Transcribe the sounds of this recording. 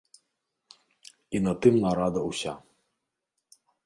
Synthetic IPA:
inɐt̪ɨmnɐɾad̪ɐusʲa

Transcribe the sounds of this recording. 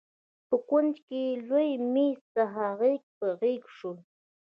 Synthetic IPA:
pʊkʊnt͡ʃkɪlʊjmɪsaɦaɢek̚paɢɪkʊ̥ʂʊŋ

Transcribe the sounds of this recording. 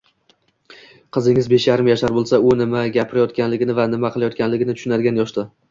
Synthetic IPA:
qʰɨzɪŋɪzbe̞ʃjaɾɪmjaʃaɾbolˠsaʊnɪmaɡʲapʰɪɾajɒt̪kʲanlɪɡʲɪnɪvanɪmaqʰɨlˠajɒt̪̚kʲanlɪɡʲɪnɪt̪ʰʊ̥ʃʊnaɾɡʲanjɒʃt̪a

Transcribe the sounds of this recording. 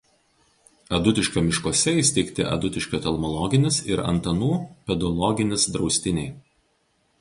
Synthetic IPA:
ɐd̪ʊt̪ʲɪʃʲkʲoːmʲɪʃkoɔsʲɛɪsʲt̪ʲɛɪkt̪ʲɪʔɐ̰d̪ʊt̪ʲɪʃʲkʲoːt̪ʲɛlˠmɔlˠɔɡʲɪnʲɪsɪɾɐ̰nt̪ɐnuːpʲɛd̪ɔlˠɔɡʲɪnʲɪsd̪ɾɒʊsʲt̪ʲɪnʲɛɪ

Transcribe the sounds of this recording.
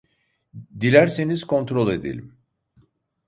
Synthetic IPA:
d̪ilʲæɾse̞niz̥kʰo̞nt̪ɾolˠe̞d̪ḛlʲim

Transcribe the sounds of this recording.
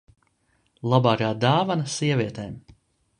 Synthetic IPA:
lˠabaːɾaːd̪aːvanɐsiɛvʲiɛt̪ɛːm

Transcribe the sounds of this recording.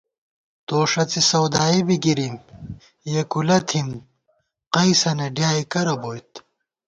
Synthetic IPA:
t̪oːʂɐt͡sisɐwd̪aːibiɡiɾim | jekulɐt̪ʰim | qɐjsɐnɐɖjaːikɐɾɐboːjt̪

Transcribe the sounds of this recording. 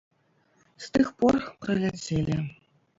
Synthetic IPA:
st̪ɨxporprɐlʲæt͡sʲelʲɘ

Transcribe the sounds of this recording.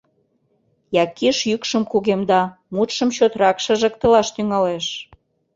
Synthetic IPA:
jɑkiʃjykʃə̆mkuɣemd̪ɑ | mut̪ʃə̆mt͡ɕot̪rɑkʃə̆ʒə̆k̚t̪ə̆lɑʃt̪yŋɑleʃ

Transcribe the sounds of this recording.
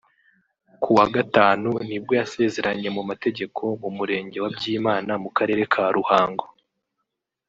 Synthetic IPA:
kʰuwaɡataːnunib̚ɡo̞jase̞ːze̞ɾaɲe̞mumate̞ɟe̞kʰo̞mumuɾe̞ːɲɟe̞wabɟiːmaːnamukaɾe̞ːɾe̞kʰaɾuhaːŋɡo

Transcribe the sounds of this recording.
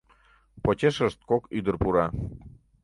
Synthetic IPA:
pot͡ɕʲeʃəʃt̪̚kokyd̪ərpuɾɑ

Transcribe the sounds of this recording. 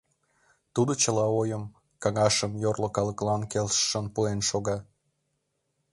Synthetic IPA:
t̪ud̪ot͡ɕəlɑojəm | kɑŋɑʃəmjorlokɑləklɑnkelʃʃənpuenʃoɣɑ

